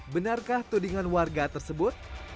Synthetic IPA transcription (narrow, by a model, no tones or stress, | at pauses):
bənarkaht̪udiŋanwarɡat̪ərsəbʊt̪̚